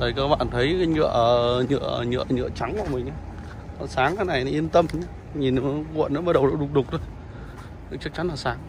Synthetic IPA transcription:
ɗəː˨˩jkəː˧ɓa̰ː˧˨nt̪ʰə˨˦jka˨˦ŋɨ̰˧˨əɲɨ̰˧˨əɲɨ̰˧˨əɲɨ̰˧˨ət͡ɕa˨˦ŋka̰˧˨mï˨˩ŋ̟ʔa˨˦ | kɔ˨˩saː˨˦ŋkaː˨˦jna˨˩jna˨˦ʔi˧ənt̪ə˧m˧˦ | ɲi˨˩n˨˦kwə̰˧˨nː˨˦məː˨˦ɗə˨˩wə˨˩wɗʊ˨˩k͡p̚ɗʊ˨˩k͡p̚t̪ʰo˧j | t͡ɕɨ˦˥ək̚t͡ɕa˨˦nlaː˨˩saː˨˦ŋ

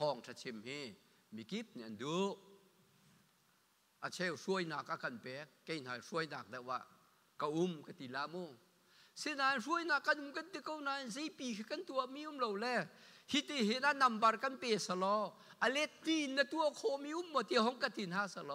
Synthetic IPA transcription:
hɔː˧˩ŋtʰa˧˨t͡sʰi˧˨mhi˧ | mi˨ki˦p̚ni˧˨ʔa˨ndu˨˦ʔ | ʔa˨t͡sʰɛ˧wsu˧ə˨jna˨˩k̚ʔa˧ka˨npɛ˨˦kːe˧jn̥aː˨ʂu˧˦ə˨jnaː˨˩k̚da˧˨wa̰˧˨ʔ | ka˧ʔu˦mka˧t̪i˨laː˧˦mo˧˨ | se˧˦naː˧nru˦əjna˨kːa˧˨nʔu˧˨mka˦nt̪i˧ko˧˨wnaː˧˨ze˧˦jpiː˨˩kʰi˧ka˥nt̪u˧ə˨mi˧˦u˧˦˨mlo˨wlɛ˧hi˧˨t̪e˧˨ɦe˧˨na˧˨na˨mba˧rka˧˥˨npɛ˧˩sa˧˨lɔ˧˦ | ʔa˧˨lɛ˧˦t̪ːi˧˨nːa˧˨t̪u˧ə˨kʰɔ˧mi˧ʔu˧˨mːɔ˧˨t̪e˧hɔ˧˦ŋka˧˨t̪i˨nhaː˧˥sa˧lɔ˧

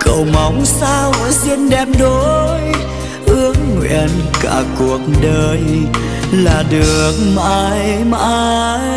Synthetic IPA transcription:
kə˧˨˩wma˨˦wŋ͡msaː˧wzi˧nɗɛ˧˩mɗo˨˦j | ʔɨ˧˥əŋːwḭ˧˥əənka̰ː˧˩ku˨˩ək̚ɗəː˨˩j | laː˨˩ɗɨ˨˩ək̚ma̰aː˧jma̰ː˧aː˧ | j

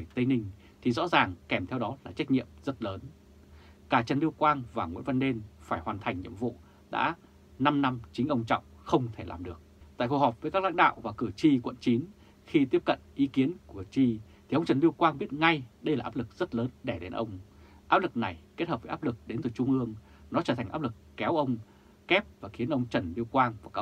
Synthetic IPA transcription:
ə˧˩jt̪ə˧jnï˧ŋ̟ | t̪ʰi˨˩zɔ̰˧˥zaː˨˩ŋkɛ˨˩mt̪ʰɛ˧wɗɔ˨˦laː˨˩t͡ɕa˦˥jk̚ɲḭ˧˨əmzə˦˥t̚ləː˨˦n | kaː˧˩t͡ɕə˨˩nli˧əwkwaː˧nvaː˨˩ŋwḭ˧˥nvə˧nɗe˧nfaː˧˩jhwaː˨˩nt̪ʰa˨˩jŋ̟ɲḭ˧˨əmvṵ˧˨ | ɗa̰ː˧˥ | na˧mna˧mt͡ɕï˨˦ŋ̟ʔə˧wŋ͡mt͡ɕɔ̰˧˨wŋ͡mxə˧wŋ͡mt̪ʰe˧˩la̰ː˨˩mɗɨ˨˩ək̚t̪a̰ː˧˨ku˧˩hɔː˨˩p̚vəː˨˦jka˦˥la̰˧˥ŋɗa̰ː˧˨wvaː˨˩kɨ˧˩t͡ɕi˧kwə̰˧˨nt͡ɕi˨˦n | xi˧t̪̬i˦˥əp̚kə̰˧˨nʔi˨˦ki˨˦ənku˧˩ət͡ɕi˧t̪ʰi˨˩ʔə˧wŋ͡mt͡ɕə˨˩nli˧əwkwaː˧nɓi˦˥ət̚ŋa˧jɗə˧jlaː˨˩ʔaː˦˥p̚lɨ˨˩k̚z̥ə˦˥t̚ləː˨˦nɗɛ˧˩ɗe˨˦nʔə˧wŋ͡m | ʔaː˦˥p̚lɨ˨˩k̚na˨˩jke˦˥t̚həː˨˩p̚vːa˦˥p̚lɨ˨˩k̚ɗe˨˦nt̪ɨ˨˧˩t͡ɕʊ˧ŋ͡mʔɨ˧əŋ | nɔ˨˦t͡ɕəː˧˩t̪ʰŋʔaː˦˥p̚lɨ˨˩kːɛ˨˦wʔə˧wŋ͡m | kɛ˦˥p̚vaː˨˩xi˨˦ənʔə˧wŋ͡mt͡ɕə˨˩nli˧əwkwaː˧nvaː˨˩kaː˦˥

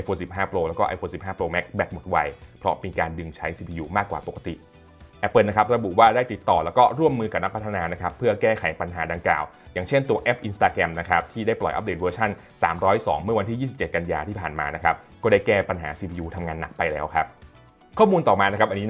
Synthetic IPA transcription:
ʔa˧jfʰoː˧nsi˨˩p̚ɦaː˥˩pɾoː˧lɛː˦˥wkɔː˥˩ʔa̰˧jfoː˧si˨˩p̚ɦaː˥˩pɾoː˧mɛ˦˥k̚bɛ˦˥k̚mo˨˩t̪̚wa˧jpʰɾɔ˦˥miː˧kaː˧ndɯ˧ŋt͡ɕʰa˦˥jsiː˧pʰiː˧juː˧maː˥˩kwaː˨˩po˨˩ka˧t̪ḭ˨˩ʔ | ɛ˨˩pəː˨˩na˦˥kʰa˦˥p̚ɾa˧bu˨˩waː˥˩daː˥˩jt̪i˨˩t̪ːɔː˨˩lɛː˦˥wkɔː˥˩ɾu˥˩əmːɯː˧ka˨˩p̚na˦˥pʰa˥t̪ʰa˧naː˧na˦˥kʰa˦˥pʰːɯ˥˩ɐkɛː˥˩kʰa˨˩˦jpa˧nɦaː˩˦daː˧ŋkla̰ː˨˩w | jaː˨˩ŋt͡ɕʰe˥˩nt̪u˧ɐʔɛ˦˥p̚ʔi˧nst̪aː˧kɾɛ˧mna˦˥kʰa˦˥p̚t̪ʰiː˥˩daː˥˩jplɔ˨˩jʔa̰˨˦p̚deː˨˩t̪̚əː˧t͡ɕʰa˥˩n | saː˩˦mɾɔː˦˥jsɔ̰ː˩˦ŋmɯ˥˩ɐwa˧nt̪ʰi˥˩jiː˥˩si˨˩p̚t͡ɕe˨˩t̪̚ka˧njaː˧t̪ʰiː˥˩pʰaː˨˩nma̰ː˧na˦˥kʰa˦˥p̚kɔː˥˩daː˥˩jkɛː˥˩pa˧nɦa̰ː˩˦siː˧pʰiː˧uː˧t̪ʰa˧mŋaː˧nːa˨˩k̚pa˧jlɛː˦˥wkʰɾa˦˥p̚ | kʰɔː˥˩muː˧nt̪ɔː˨˩maː˧na˦˥kʰa˦˥ʔa˧niː˦˥

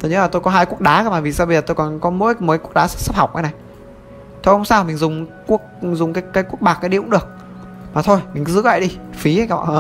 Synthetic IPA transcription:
t̪o˧jɲə̰˧˥la˨˩t̪o˧jkɔ˨˦ɦaː˧jku˦˥ək̚ɗaː˨˦aː˧˦maː˨˩vi˨˩saː˧wɓə˧zə˨˩t̪o˧jkɔ˨˩nkɔ˨˦mo̰˧˥jmo˨˦ku˦˥ək̚ɗaː˨˦sɨ̥˦˥sə˦˥p̚ha˨˩wk͡p̚ʔə˨˦jna˨˩j | t̪ʰo˧jhʊ˧ŋ͡msaː˧wmi˨˩ŋ̟zʊ˨˩ŋ͡mku˦˥ək̚zʊ˨˩ŋ͡mkaː˨˦jkaː˨˦jku˦˥ək̚ɓaː˨˩kːaː˨˦jɗi˧˨ʊ̰˧˦˥ŋ͡mɗɨ˨˩ək̚ | maː˨˩t̪ʰo˧jmi˨˩kzɨ̰˧˥wla̰ː˧˨jɗi˧fi˨˦a˨˧jkaː˧˩˧ʔː

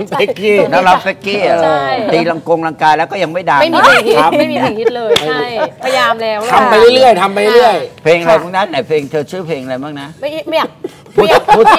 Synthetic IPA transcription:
pʰe˦˥kiː˥˩nɔ˦˥la˦˥p̚pe˦˥kːiː˥˩˨t̪iː˧la˧ŋko˧ŋɾa˧ŋkaː˧jlɛː˦˥wkɔː˥˩ja˧ŋma˥˩jdaː˧m˥˩jiː˧˦a˧˩saː˨˦ma˧˥˨jmiː˧a˧˩kʰi˦˥t̪̚lɤː˧a˧pʰa˧jaː˧mlɛː˦˥wt̪ʰa˧mpa˧jlɯ˥˩ɾɯ˥˩əjt̪ʰa˧mpa˧lɾɯ˥˩əjpʰeː˧ŋʔa˧la˧jma˦˥˩na˦˥nːa˨˩pʰeː˧ŋt̪ʰɤː˧t͡ɕʰɯː˦˥˩pʰeː˧ŋʔa˧ɾa˧jmaː˦˥˩ŋ̚na˦˥ma˥˩˦m˥ja˨˩ | pʰːu˧˥˩

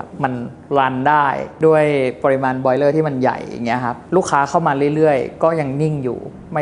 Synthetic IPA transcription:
pma˧n | ɾa˧ndaː˥˩jdu˥˩əjpɔ˧ɾi˧˥maː˧nbɔː˧jlɤː˥˩t̪ʰiː˥˩ma˧nja̰˨˩ja̰˨˩ŋːi˦˥ɐ˧kʰa˦˥p̚luː˥˩kʰːaː˦˥kʰa˥˩wmaː˧ɾɯ˥˩˨jɾɯ˥˩əjkɔː˥˩ja˧ŋni˥˩ŋjṵː˨˩ | ma˥˩

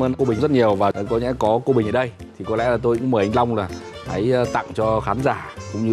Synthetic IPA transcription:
əː˧nko˧ɓï˨˩˨zə˦˥t̚ɲi˨˩əwvaː˨˩˨kɔ˨˦ɲɛ̰˧˥kɔ˨˦ko˧ɓï˨˩ʔəː˨˩ɗə˧j | t̪ʰi˨˩kɔ˨˦lɛ̰˧˥laː˨˩t̪o˧jkʊ̰˧˥ŋ͡mməː˨˩ʔa˧jŋ̟la˧wŋ͡mlaː˨˩t̪ʰə˨˦jt̪a̰˧˨ŋt͡ɕɔ˧xaː˨˦nzaː˧˩kkʊ̰˧˥ŋ͡mɲɨ˧

